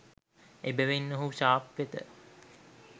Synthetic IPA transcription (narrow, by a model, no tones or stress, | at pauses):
ebəʋenːəɦuʃaːpʋet̪ə̰